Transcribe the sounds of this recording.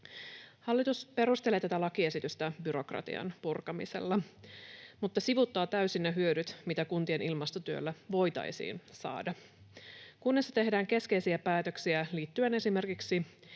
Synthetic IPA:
hɑlːit̪uspe̞ɾust̪e̞leːt̪æt̪ælɑkie̞sit̪yst̪æbyɾo̞krɑ̰t̪ḭɑ̰npurkɑmḭsḛlːɑ | mut̪ːɑsiʋut̪ːɑːt̪æysinːɑɦyødyt̪mit̪ækunt̪ie̞nilmɑst̪ot̪yø̰lːæʋo̞jt̪ɑ̰jsḭːnsɑ̰ːdɑ | kunːesːɑt̪e̞ɦdæːŋke̞ske̞jsiæpæːt̪ø̞ksiæliːt̪ːyene̞sime̞rkiksi

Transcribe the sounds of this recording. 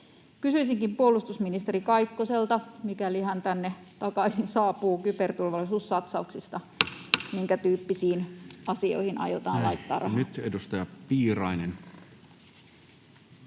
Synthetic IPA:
kysyisiŋkimpuolust̪usminist̪eɾikɑikːoselt̪ɑmikæliɦænt̪ænːe | t̪ɑkɑisinsɑːpuːkypert̪ulʋɑlːisuːsːɑt̪sɑuksist̪ɑ | miŋkæt̪yːpːisiːnɑsio̰ihinʔɑ̰jot̪ɑ̰ːnlɑjt̪ːɑ̰ːrʔɑ̰nyt̪edust̪ɑjɑpiːrɑinen

